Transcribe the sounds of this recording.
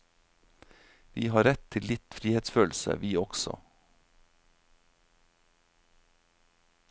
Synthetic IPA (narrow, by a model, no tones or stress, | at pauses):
ʋiːhɑːɾɛt̪ʰɪlɪt̪fɾiːheːt̪sføːlsə̰ʋiːɔɡsɔ̰